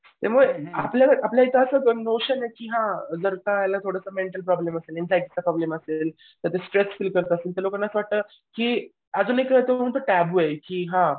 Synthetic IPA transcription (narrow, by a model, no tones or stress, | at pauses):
t̪amuɭapljakəɾapljait̪aəsəːnoɕənekiːɦãd͡zəɾt̪ajalat̪ʰoɽəsəmeɳʈəlpɾɔbleməselinsajiʈit͡sapɾɔbleməsel | t̪əɾt̪esʈɾesfilkəɾt̪əːseːlt̪əlokanːat͡sʋaʈ̚t̪ə | kiː | əd͡zuːnekt̪eməɽũnt̪əʈæbuekiːɦã